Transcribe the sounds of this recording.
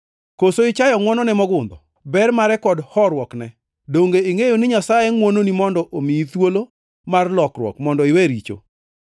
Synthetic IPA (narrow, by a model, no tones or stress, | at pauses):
kosoɪt͡ʃajɔŋwɔnɔnɛmɔɡʊnd̪ɔ | bɛrmaɾɛkɔdhɔɾwɔknɛ | doŋɡeiŋejonɪɲasajɛŋwononimɔndɔʔomiit̪wolo | marlɔkɾwɔ̰kmɔndɔɪweɾit͡ʃo̰